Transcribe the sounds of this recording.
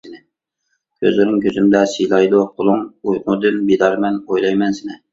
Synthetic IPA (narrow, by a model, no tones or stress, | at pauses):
ɪnɪ | kʲʰø̰zlɪɾɪŋkʲʰøzymd̪ɛsijlˠɑjd̪ʊqʰʊlˠʊŋujqʊd̪ɨnbid̪ɑɾmɛnojlˠɑjmɛnsɪnɪ